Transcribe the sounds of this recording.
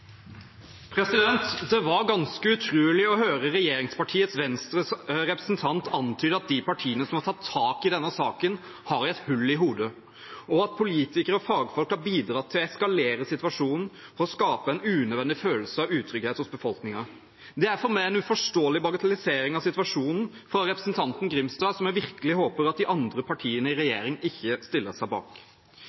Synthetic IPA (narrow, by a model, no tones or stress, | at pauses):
pʰɾɛsɪd̪ɛnt̪d̪ɛʋɑɾɡɑnskəʉt̪ʰɾʉːəlɪɔhøːɾəɾɛjeːɾɪŋspɑʈʰiːət̪sʋɛnst̪ɾəsɾɛpɾɛsnt̪ʰɑnt̪ʰɑnt̪ʰyːd̪ɑt̪̚d̪ɪpɑʈʰiːənəsɔmhɑtʰɑt̪ʰːɑːkɪd̪ɛnːəsɑːkən | hɑɾɛt̪hʉlːɪɦuːd̪ə | ɔɑt̪̚pʰʊliːt̪ɪkəɾəɔfɑːɡəfɔlkhɑɾbiːd̪ɾɑt̪ʰɪlɛskɑleːɾəsɪt̪ʉɑʂuːnn̩fɔɾɔskɑːpəɛnʉːnœd̪ʋɛnd̪ɪføːlsəɑʋʉːt̪ʰɾʏɡheːt̪hʊsbəfɔlknɪŋɑ | d̪ɛæɾfɔɾmæɪɛnʉfɔʂtoːlɪbɑɡɑt̪ʰɑlɪseːɾɪŋɑʋsɪt̪ʉʋɑʂuːnn̩ | fɾɑɾɛpɾəsənt̪ʰɑnt̪n̩ɡɾɪmst̪ɑːsɔmæʋɪɾkəlɪɦoːpəɾɑt̪̚d̪ɪʔɑnd̪ɾəpʰɑʈʰiːənəɪɾɛjeːɾɪŋɪçːəst̪ɪlːəsæɪbɑ̰ːk